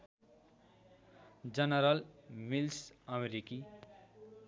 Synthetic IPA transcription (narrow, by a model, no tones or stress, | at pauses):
d͡ʒʌnʌɾʌlmilsʌmeɾiki